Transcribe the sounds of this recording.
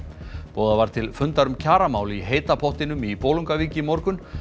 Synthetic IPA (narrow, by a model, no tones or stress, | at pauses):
pɔːðavaɾ̥t̪ʰɪlfʏnt̪aɾʏmcʰaːɾamaːwliɦeːjt̪apʰɔht̪ɪnʏmipoːluŋkaviːcɪmɔɾkʏn